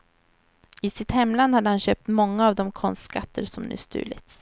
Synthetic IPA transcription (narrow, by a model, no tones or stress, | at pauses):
ɪsɪt̪hɛmːland̪had̪ːəhanɕøːp̚t̪mɔŋːaːvd̪ɔmkʰɔnst̪skat̪ʰːəɾsɔmnʉ̟̰ːst̪ʉ̟̰ːlɪ̰t̪s